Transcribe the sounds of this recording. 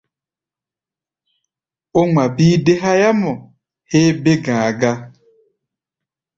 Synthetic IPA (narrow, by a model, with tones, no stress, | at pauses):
o˦ŋʷa˨bi˦de˦ɦa˦ja˦mɔ˨ | he˦be˦ɡa˨a˨ɡa˦